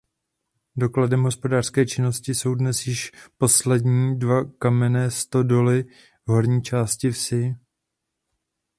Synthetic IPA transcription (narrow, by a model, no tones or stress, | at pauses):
do̞kladɛmɦo̞spo̞daːr̥skɛːt͡ʃɪno̞scɪso̞wdnɛsjɪʃpo̞slɛdɲiːdvakamɛnɛːst̪o̞do̞lɪ | vɦo̞ɾɲiːt͡ʃaːscɪfsɪ